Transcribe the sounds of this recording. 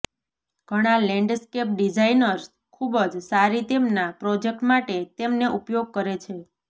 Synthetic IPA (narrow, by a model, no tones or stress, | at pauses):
ɡ̥ʱəɽ̃alɛ̃ɳɖskep̚ɖid͡ʒainəɾs | kʰubəd͡ʒsaɾit̪emnapɾɔd͡ʒek̚ʈmaʈet̪emneʔupjoɡ̚kəɾet͡ʃʰe